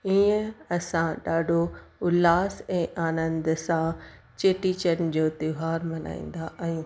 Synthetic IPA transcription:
iːə̃ɐsãɗaːɖʱoʊlaːsɛ̃ːʔaːnə̃nd̪sã | t͡ɕeːʈiːt͡ɕənɪ̆d͡ʑoːt̪ɪɦaːɾmɐna̰ːḭ̃ːn̆d̪aʔjũː

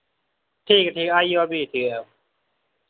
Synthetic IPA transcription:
t̪ʰiːkat̪ʰiʔajɔːbiːt̪ʰɯə

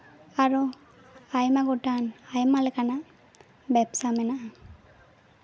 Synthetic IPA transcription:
aɾu | ajmaɡɔʈanajmalɛkana | bɛpsamɛnaʔa

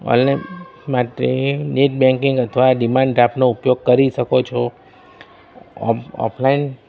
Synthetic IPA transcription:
ɔ̰n | maʈɾeneʈ̚bɛ̃ŋkiŋɡət̪ʰəʋaɖimaɳɖɖɾapnoupjoɡ̚kəɾiʃəkot͡ʃʰo | ɔ̰pʰlain

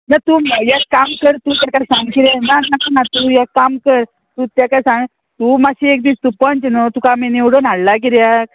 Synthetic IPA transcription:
nat̪uːməjakamkəɾt̪ut̪jakajsãŋɡkiɾenananat̪ujakamkəɾ | t̪ut̪jakajsãŋɡ | t̪umaɕiek̚d̪iːst̪upənt͡ɕnot̪ukamenewɽonaɽlak̬iɾjak̚

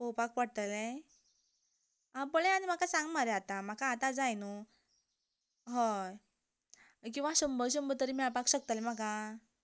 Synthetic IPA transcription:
popak̚paɽt̪əle | abəɭẽanim̤akasãŋɡmaɾɛat̪am̤akaːt̪ad͡zajnu | ɦɔ | k̬ĩw̃ʋaɕəmbəɾɕ̬əmbət̪əɾimiapakɕək̚t̪alem̤aka

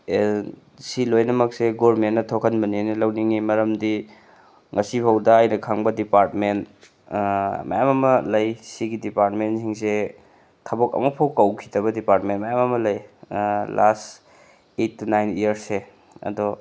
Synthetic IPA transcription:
silojnɐmɐk̚seɡoɾmenːɐtʰokʰɐnbɐninilɐwniŋimɐɾɐmdi | ŋʔɐsipʰɐwdɐajnɐkʰaŋbɐdipaɾtmen | mɐ̰jamɐmɐlɐjsiɡidipaɾt̚mensiŋs̬e | kʰɐbokɐ̰mɐpʰowkɐwkʰi̥tɐβɐdipaɾtmenmɐjamɐmɐlɐj | last | etʰːunajnijɐɾse | ɐ̰do

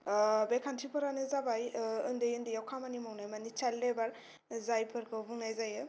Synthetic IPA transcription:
bekʰantʰipʰɯɾanɯzabajɯndɯjɯndɯjawkʰamanimawnajmanit͡ʃalːebaɾ | zajpʰɯɾkʰɯbuŋnajzajɯ

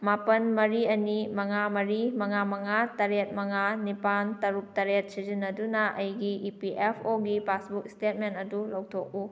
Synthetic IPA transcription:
mapɐnmɐɾiɐnimɐŋamɐɾimɐŋamɐŋatɐɾet̚mɐŋanipantɐɾup̚tɐɾet̚sizinːɐdunɐʔɐjɡiipiʔepʰoɡipasbukstet̚mentɐdulɐwtʰok̚u

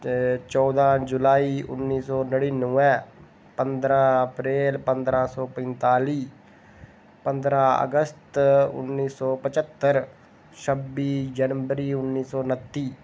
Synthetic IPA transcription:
t͡ʃɔːd̪ãːd͡ʒʊlaːiːʔʊ̰nːiːsɔːnəɽiːnũːɛ̃ː | pənd̪ɾãːəpɾeːlpənd̪ɾãːsɔːpɛ̃nt̪aːliː | pənd̪ɾãːə̰ɡəst̪ʊ̰nːiːsɔːpət͡ʃət̪ːəɾ | ʃəbiːd͡ʒənʋəɾiːʊnːiːsɔːnət̪ːiː

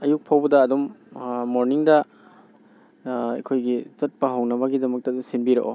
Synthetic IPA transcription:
ɐjuk̚pʰawbɐdɐːdummoɾniŋdɐ | ekʰojɡizɐt̚pɐɦɐwnɐbɐɡidɐmɐk̚tɐduŋsinbiɾɐ̰ʔo̰

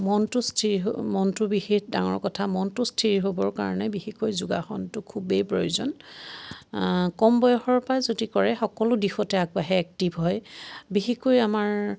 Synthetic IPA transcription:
mɔntʊstʰiɹiɦmɔntʊbixida̰ŋɔ̰ɹkɔtʰamɔntʊstʰiɹiɦobɔɹka̰ɹɔnɛbixikojzuɡaxɔntʊkʰubejpɹojuzɔ̰n | kɔmbɔjɔxɔɹpajzodikɔɹɛxɔkɔlʊdixɔtɛaɡ̚baɦɛɛk̚tibʱɦɔjbixikojamaɹ

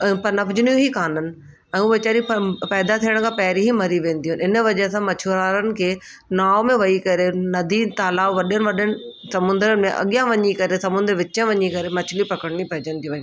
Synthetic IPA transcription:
pɐnɐbʰʊd͡ʑɪnijũɦikaːnənɪ̆ | ɛ̃ːũːʋɪt͡ɕaːɾipɛːd̪at̪ʰiəɽ̃kʰãːpɐɦɪɾiɦimɐɾiʋẽːn̆d̪iɦʊnɪnə̆ʋɐʄəsãmɐt͡ɕʰuɾaːɾənɪ̆kʰeː | naːomẽʋɐikɐɾenɐd̪ʱit̪aːlaːʋʋɐɗənɪ̆ʋɐɗənɪ̆sɐmʊ̃nd̪əɾənɪ̆mẽʔɐ̰ɠijãʋɐɲikɐɾesɐmʊ̃nd̪əɾʋɪt͡ɕə̃ʋɐɲikɐɾemɐt͡ɕʰɪlipɐkəɽñipɐɦɪd͡ʑə̃nt̪iuʋɐĩ

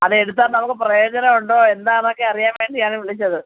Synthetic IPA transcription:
ɐðɨe̞ɽut̪̬ːaːnnɐmukːɨprɐjo̞ːd͡ʑɐnɐuɳɖoːe̞nd̪aːnokːe̞ɐrijaːmʋeːɳɖiaːɳɨʋiɭit͡ɕːɐðɨ

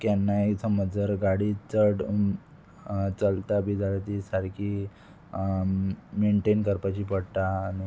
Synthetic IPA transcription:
kjanːaet̪ʰəməd͡zəɾɡaɽit͡səɽ | t͡səlt̪abid͡ʑaɾt̪isaɾkʰi | meɳʈenkəɾpat͡ɕiːpəɽt̪aːñi

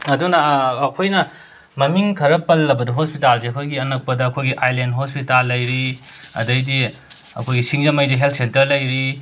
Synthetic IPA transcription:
ɐdunɐːkʰojnɐ | mɐmiŋkʰɐɾɐpɐlːɐbɐdɐɦospitalseɐkʰojɡiɐnɐk̚pɐdɐːkʰojɡiʔajlendɦospitalːɐjɾiɐ̰dɐjdi | ɐ̰kʰojɡisiŋzɐmɐjdiɦelt̚ʰsentɐɾlɐjɾi

